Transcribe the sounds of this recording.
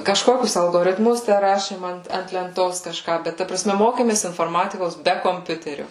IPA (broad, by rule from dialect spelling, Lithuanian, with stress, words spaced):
kɐʃˈkoːkʲʊs ɐlˠɡoːrʲɪtˈmʊs ˈtʲæ ˈrɑːʃʲeːm ˈɐnt ɐnt lʲɛnˈtoːs kɐʃˈkɑː ˈbʲɛt ˈtɐ prɐˈsʲmʲɛ ˈmoːkʲeːmʲeːs ɪnfoːrˈmɑːtʲɪkoːs ˈbʲɛ koːmʲˈpʲʊtʲɛrʲoː